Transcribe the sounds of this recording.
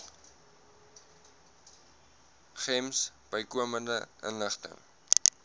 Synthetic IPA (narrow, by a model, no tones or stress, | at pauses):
χɛmsb̥əjkuəməndəʔə̰nləχtə̰ŋ